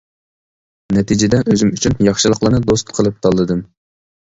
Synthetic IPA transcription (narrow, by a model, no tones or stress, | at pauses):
nɛt̪ʰid͡ʒɪd̪ɛʔøzymyt͡ʃʰynjɑχʃɨlˠəqlˠɨnɨd̪ost̪qʰəlˠɨp̚t̪ʰɑlˠːɨd̪ɨm